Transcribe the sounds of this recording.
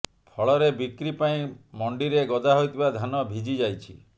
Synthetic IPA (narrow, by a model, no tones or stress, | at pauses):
pʰɔɭɔɾebikɾipaĩmɔɳɖiɾeɡɔd̪ʱaɦojt̪ʰibad̪ʱanɔbʱid͡ʒid͡ʒajt͡ʃʰḭ